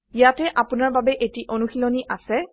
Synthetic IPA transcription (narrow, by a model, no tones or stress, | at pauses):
ijatɛʔapunaɹbabɛʔetiʔonuxilɔniʔasɛ